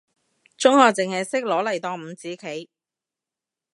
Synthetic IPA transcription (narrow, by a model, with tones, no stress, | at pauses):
t͡ʃʊ˥ŋhɔː˨˧k̚t͡sɪ˨ŋhɐ˨jsɪ˥k̚lɔː˨˥lɐ˨˩jt̪ɔː˧ŋm̩˨˧t͡siː˨˥kʰe˨˥j